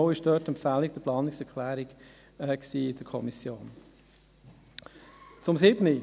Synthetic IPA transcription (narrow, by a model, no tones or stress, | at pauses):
ʊɪʃd̥œːtɛmpfæːlik̚d̥̪əplɑːnɪksɛɾkʰlæːɾiɡ | ɛksiːɪd̥əkʰɔmisjoːn | t͡sʊmsɪbni